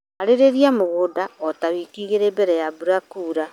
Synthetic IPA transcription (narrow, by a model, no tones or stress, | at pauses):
aɾeɾeɾiamoɣoːdaɔtaβiːkiɣeɾeːbɛɾɛjabuɾakuːɾa